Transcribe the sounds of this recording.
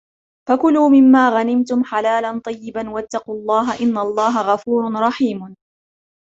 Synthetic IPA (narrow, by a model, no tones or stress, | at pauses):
fakʊluːmɪmːaːɣanɪmt̪ʊmħalaːlant̪ˤɑjːɪbanwat̪ːɑquːlˤːɑːɦaʔɪnːalˤːɑːɦaɣɑfuːɾɾˤɑħiːm